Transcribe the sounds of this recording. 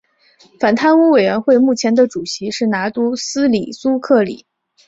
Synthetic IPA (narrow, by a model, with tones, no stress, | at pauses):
fa˨˩nt̪ʰa˥˧nu˥we˨˩ɪɥɛ˧˥nxwe˥˧ɪmu˥˩t͡ɕʰjɛ˧˥nd̪ə˧ʈ͡ʂu˨˩ɕi˧˥ʂɻ̩˥˩na˧˥t̪u˥sɹ̩˥li˨˩su˥kʰɤ˥˩lḭ˨˩˦